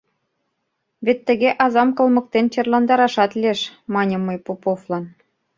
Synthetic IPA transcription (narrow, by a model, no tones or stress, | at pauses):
βet̪ːə̆ɣʲeʔɑzɑmkɤ̆lˠmɤ̆k̚t̪ent͡ɕɤ̆rlɑnd̪ɑɾɑʃɑt̪lʲieʃmɑnʲɤ̆mːɤjpopoflɑn